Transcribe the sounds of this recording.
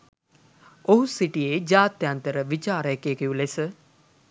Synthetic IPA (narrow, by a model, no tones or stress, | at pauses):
oɦusiʈied͡ʒaːt̪jant̪əɾəʋit͡ʃaːɾəekekijulesə